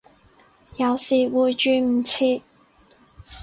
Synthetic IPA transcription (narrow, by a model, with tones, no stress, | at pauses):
jɐ˨˧wsiː˨˩wuː˨˧jt͡ʃyː˨˧m̩˨˩t͡sʰiː˧